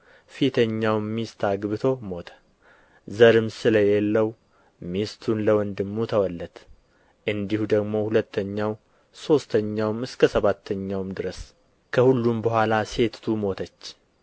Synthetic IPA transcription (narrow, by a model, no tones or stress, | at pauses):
fit̪ʰəɲːawmmist̪ʰaɡβɨt̪ʰo̞mo̞t̪ʰə̥ | zəɾɨmsɨləjelːəw | mist̪ʰunləwɔnd̪ɨmːut̪ʰəwɔlːət̪ | ʔɨnd̪ihud̪əɡmo̞hulət̪ʰːəɲːaw | so̞st̪ʰəɲːawmɨskʰəsəβat̪ʰːəɲːawmd̪ɨɾəs | kʰəhulːumbəhʷalase̞t̪t̪ʰumo̞t̪ʰət͡ʃː